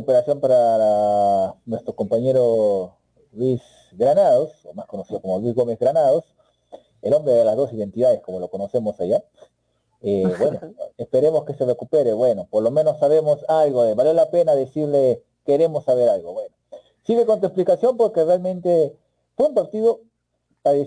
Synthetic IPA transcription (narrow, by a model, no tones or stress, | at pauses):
upeɾasjompaɾa | nwe̞st̪ɾoko̞mpaɲe̞ɾo | lis | ɡɾanaðosḛlmasko̞no̞siðo̞komolwizɣomezɣɾanaðos | elo̞mbɾeðelazðo̞siðe̞nt̪iðaðesko̞mo̞lo̞ko̞no̞se̞mosaʝa | eβwenoespe̞ɾe̞mo̞ske̞se̞re̞kupe̞ɾeβwe̞no̞po̞ɾlo̞mẽ̞nosːaβe̞mosalɣoeβalelape̞naðesiɾle | ke̞ɾe̞mosːaβe̞ɾalɣobwe̞no | siɣe̞kont̪ue̞splikasjo̞mpo̞ɾkerealmẽnt̪e̞ | punt̪aɾt̪iðo | aði